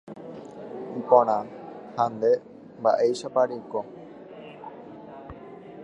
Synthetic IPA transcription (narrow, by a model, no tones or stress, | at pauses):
ipõɾ̃ãhãnd̪e | mbaʔejʃapaɾiko